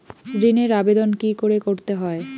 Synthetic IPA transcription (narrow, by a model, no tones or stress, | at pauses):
ɾineɾabed̪onkikoɾekoɾt̪eɦɔe